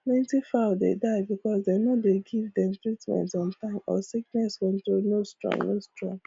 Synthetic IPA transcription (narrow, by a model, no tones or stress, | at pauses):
plẽntifaʊdḛdaɪbikɔsdenɔdeɡivdɛ̃mtɹitmɛ̰̃ntɔ̃ntãɪmɔ̰siknɛswɛ̃ntonostɹɔ̰̃ŋnostɹɔ̰̃ŋ